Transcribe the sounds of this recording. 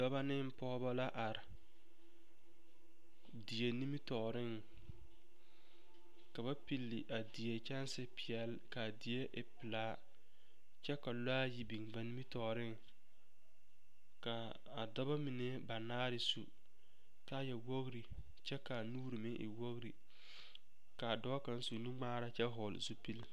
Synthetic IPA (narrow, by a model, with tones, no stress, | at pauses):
dɔ˦ba˦nɪ˦m˦pɔː˦ba˦la˦ʔa˨ɾɪ˨ | di˨e˨ni˦mi˦tɔː˨ɾɪ˦˨ŋ | ka˨βa˦pi˨lːɪ˨ʔa˨di˨je˨t͡ʃɛ˦n˦sɪ˦pɪ˨ɛ˨l | ka˨di˨e˦ʔɪ˨pɪ˨laː˦ | t͡ʃɛ˦ka˨la˦ji˦bi˨ŋba˨ni˦mi˦tɔː˨ɾɪ˦ŋ | ka˨ | a˨dɔ˦ba˦mɪ˨nɛ˦ba˨naː˦ɾɪ˨su˨ | ka˦jɛ˨wo˦ɣɾi˨ | t͡ʃɛ˦ka˨nuː˦ɾi˨mɪ˦ʔɪ̰˨wo˦ɣɾi˨ | ka˨dɔ˦ka˨n˦su˨nu˦ŋ͡maː˦ɾa˦t͡ʃɛ˦ɦɔ˨lzu˦pi˦l